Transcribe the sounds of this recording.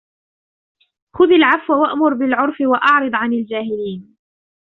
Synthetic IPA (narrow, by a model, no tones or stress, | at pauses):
xʊðalʕafwawaʔmʊɾbɪlʕʊɾˤfɪwaʔɑʕɾɨd̪ˤʕanald͡ʒaːɦɪliːn